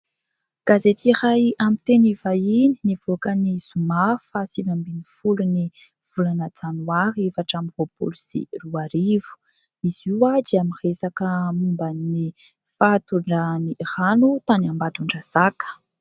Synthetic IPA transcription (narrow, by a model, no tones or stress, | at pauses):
ɡ̥azet̪iɾajamit̪enivaininiv̥okənizumafasivambinifuluni | v̥ulanəd͡zanuaɾefaʈ͡ʂamivopo̰lisḭruaɾivu̥ | iziwad͡ʒiamiresakəmumbani | fat̪uɳɖ͡ʐaniranut̪aniambad̪uɳɖ͡ʐazakə̥